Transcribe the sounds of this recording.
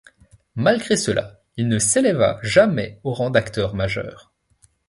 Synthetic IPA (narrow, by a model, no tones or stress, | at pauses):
malɡʁesəlʔa̰ | ilnəseleva̰ʒamɛoʁɑ̃d̪akt̪œʁmaʒœ̰ːʁ